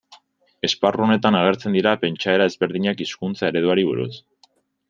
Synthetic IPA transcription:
e̞sparuone̞t̪anaɣ̞e̞ɾt͡se̞nd̪iɾape̞nt͡ʃae̞ɾae̞zβe̞ɾðiɲakiskunt͡saeɾe̞ðuaɾiβṵɾṵs

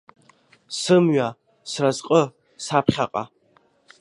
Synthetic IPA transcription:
sɨmɥa | srazqʼə | sapʰχʲaqʼa̰

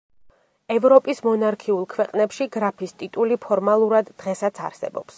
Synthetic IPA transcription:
ɛvɾɔpʼismɔnaɾkʰiulˠkʰwɛqʼnɛpʃiɡɾapʰist̪ʼit̪ʼulipʰɔɾmalˠuɾad̪ːʁɛsat̪sʰa̰ɾsɛ̰bɔ̰ps

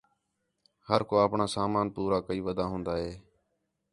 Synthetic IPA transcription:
həɾkoːəpɳaːsaːmaːnpuːɾaːkəiːʋəd̪aːɦʊ̃ːnd̪aːɦeː

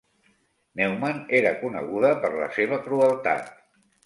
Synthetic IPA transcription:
nɛwmaneɾəkunə̰ɣuðəpəɾlə̰seβ̞əkɾuəlˠt̪a̰t̪̚

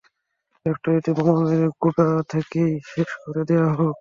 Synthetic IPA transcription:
ɛkʈoeʈibɔmomeɾɡubat̪ʰekejʃeʃkoɾed̪ejaɦok

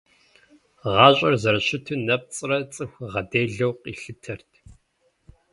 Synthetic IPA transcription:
ʁɑːɕʼɐrzɐɾɐɕɪtʰɨnɐp̚t͡sʼɨrɐt͡sʼɨxʷʁɐdeːɮɐwqiɬɨtʰɐrtʰ

